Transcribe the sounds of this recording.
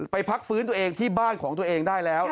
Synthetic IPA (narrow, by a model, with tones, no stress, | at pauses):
pa˧jpʰa˦˥k̚fɯː˦˥nt̪u˧ɐʔeː˧ŋt̪ʰiː˥˩baː˥˩nkʰɔː˩˦ŋt̪u˧ɐʔeː˧ŋdaː˥˩jlɛː˦˥w